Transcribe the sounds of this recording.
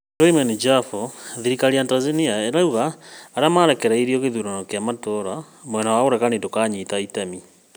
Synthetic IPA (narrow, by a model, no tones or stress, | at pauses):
ɾoimɛnid͡ʒafɔðiɾikaɾiantazeniaeɾauɣaːɾamaɾɛkɛɾaiɾiɔɣeðuɾanɔkeamatɔɾa | mwɛnawaoɾɛkanedokaːɲitaitami